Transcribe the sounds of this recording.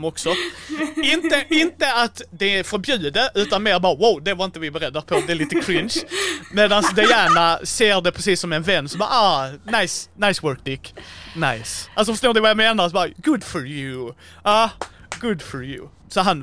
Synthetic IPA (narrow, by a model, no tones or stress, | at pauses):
mɔksɔ | ɪnt̪əɪnt̪əat̪d̪ɛfɔɾbjʉ̟ːd̪əʔʉ̟ːt̪anmeːɾbɑːwaʊd̪ɛvaɾɪnt̪əvɪbɛɾɛd̪ːəɾpʰɔd̪ɛɛliːt̪əkʰɾɪnʃmeːd̪ansd̪ɛjæːɳaseːɾd̪ɛpʰɾɛs̬iːsːɔmɛnvɛnːsɔmbɑ̰ːɾɑːnaɪsnaɪswœːk̚d̪ɪkna̰ɪsʔalsɔfɔʂtoːɖ̪ɛvajameːnaɾsɔbɑːɡʊd̪fɔɹjʉ | ɑɡʊd̪fɔɹjʉ̰ | sɔɦan